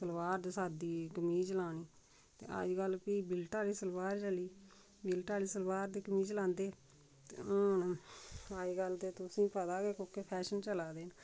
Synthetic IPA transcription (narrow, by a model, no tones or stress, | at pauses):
səlʋaːɾd̪esaːd̪iːkəmiːt͡ʃəlaːniː | t̪ḛːə̰d͡ʒɡəlpiːbɪlʈaːliːsəlʋaːɾt͡ʃəliː | bɪlʈaːliːsəlʋaːɾd̪iːkəmiːt͡ʃəlãːnd̪eː | t̪eon | əd͡ʒɡəld̪eːt̪ʊsĩːpət̪aːɡeːkõːkeːpʰɛːʃənt͡ʃəlaːd̪eːn